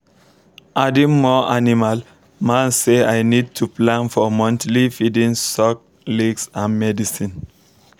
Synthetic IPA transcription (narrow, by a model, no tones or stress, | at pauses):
ʔadĩmɔanimal | mãnseajnid̚tʰuplãnfɔmɔ̃ntlifidĩŋsɔk̚ | liɡsãnmɛdisĩn